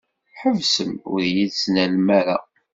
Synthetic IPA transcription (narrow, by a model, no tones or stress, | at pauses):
ħəvsəmʊ̰ɾjiðsnælmæɾa